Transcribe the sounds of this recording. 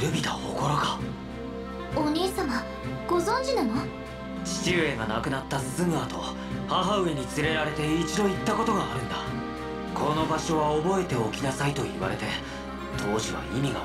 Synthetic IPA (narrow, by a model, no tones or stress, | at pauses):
ɾɯ̟bʲit̪aho̰ko̞ɾoka | onʲeːsama | ɡ̥o̞zõɲ̟d͡ʑinano | t͡ɕi̥t͡ɕɨːe̞ɡanakɯ̟nat̪ːasɨzɨmɯ̟at̪o̞̰ | haɦaɯ̟e̞ɲ̟it͡sɨɾe̞ɾaɾe̞t̪e̞it͡ɕid̪o̞it̪ːako̞t̪o̞ɡaːɾɯ̟̃nd̪a | kʰo̞no̞baɕo̞βaobo̞e̞t̪e̞o̞kʲinasait̪o̞ḭβa̰ɾe̞̰t̪e̞ | t̪ʰo̞ːʑiβa̰imʲiɡa̰